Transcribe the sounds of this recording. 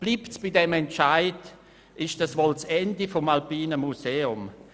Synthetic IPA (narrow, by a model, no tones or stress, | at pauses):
b̥lipt͡sb̥ɪdɛmɛnt͡ʃaɪd | ʔɪʃd̥asʋolt͡sɛndifɔmalpiːnəmuseːʊm